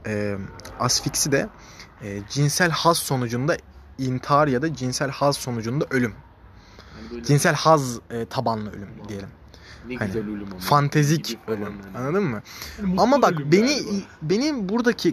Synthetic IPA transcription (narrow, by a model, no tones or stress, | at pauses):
ɛːasficsid̪ɛː | d͡ʒinsælʲhazso̞nud͡ʒund̪aint̪ʰaɾjad̪ad͡ʒinsælʲhazso̞nud͡ʒund̪aʔølʲym | d͡ʒinsælʲhazːt̪ʰabanlˠɯølʲymd̪ije̞lʲim | hanɪfant̪ʰezicʰølʲymanːˠad̪ɯmːɯamabakbe̞nibe̞nibuɾd̪acʰi